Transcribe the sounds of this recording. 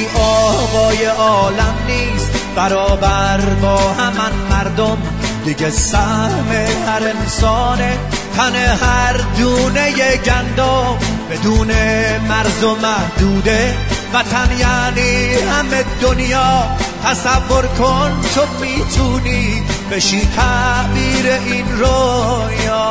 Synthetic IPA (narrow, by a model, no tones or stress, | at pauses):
ʔɒːɣɒːje̞ʔɒːlæmniːst̪b̥æɾɒːbæɾbɒːhæmænmæɾd̪om | d̪iɟesæhme̞hæɾensɒːne | t̪ʰæne̞hæɾd̪uːne̞jeɟænd̪ɔː | bed̪uːnemæɾzomæhd̪uːd̪evæt̪ʰænjaːniːhæme̞d̪onjɒːt̪ʰæsævːo̞ɾkʰont̪ʰomiːt̪ʰuːniːbeʃiːt̪ʰæbiːɾeʔinɾo | jː